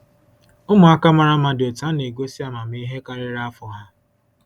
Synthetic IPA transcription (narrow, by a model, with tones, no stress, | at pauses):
ʊ˦mʊ˨a˦ka˦ma˨ɾa˦ma˦dɪ˨o˨ta˦ne˨ɡo˦si˦a˨ma˨m̩˦i˦ɦe˦ka˦ɾɪ˦ɾa˦a˦fʊ˨ɦa˦